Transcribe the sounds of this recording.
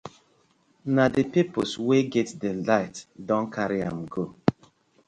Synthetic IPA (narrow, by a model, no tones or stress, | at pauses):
nadepiposweɡɛtdelaɪtdɔ̃nkʰaɾia̰mɡo